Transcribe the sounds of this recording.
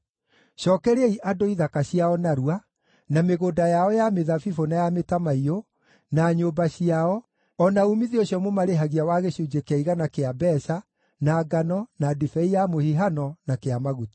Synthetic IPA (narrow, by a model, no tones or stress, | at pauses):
ɕɔːkɛɾeeiʔadoiðakaɕiaɔnaɾua | nameɣodajaɔjameðafifonajametamaio | naɲobaɕiaɔ | ɔnaumiðioɕjɔmomaɾeɦaɣiawaɣeɕud͡ʒekeaiɣanakeabɛsa | naːɡanɔnadifɛijamohiɦanɔnakeamaɣuti̥